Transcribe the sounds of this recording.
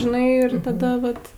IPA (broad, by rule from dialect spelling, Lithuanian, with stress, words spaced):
ʒʲɪˈnɐɪ ɪr tɐˈdɐ ʋɐt